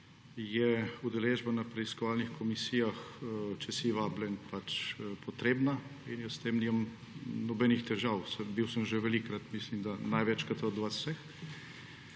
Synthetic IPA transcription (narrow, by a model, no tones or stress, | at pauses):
jɛud̪ɛleːʒbanapɾɛiskɔʋaːlnixkʰɔmisiːjaxt͡ʃɛsiʋaːblʲɛnpat͡ʃpɔt̪ɾeːbnainjəst̪emniːmam | nɔbɛnixt̪ɛʒawsɛbiwsəmʒɛʋɛlikɾat̪mislimd̪anajʋɛt͡ʃkat̪əd̪ɔʋat̪sɛx